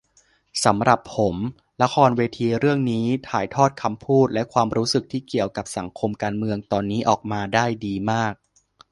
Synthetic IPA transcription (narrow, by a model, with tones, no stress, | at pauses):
sa˩˦mɾa˨˩pʰːo˩˦m | la˦˥kʰɔː˧nweː˧t̪ʰiː˧ɾɯ˥˩əŋniː˦˥t̪ʰaː˩˦jt̪ʰɔː˥˩t̪̚kʰa˧mpʰuː˥˩t̪̚lɛ˦˥ʔkʰwaː˧mɾuː˦˥sɯ˨˩k̚t̪ʰiː˥˩ki˨˩əwka˨˩p̚sa˩˦ŋkʰo˧mkaː˧nmɯ˧əŋt̪ɔː˧nːiː˦˥ʔɔ̰ː˨˩k̚maː˧daː˥˩jdiː˧maː˥˩k̚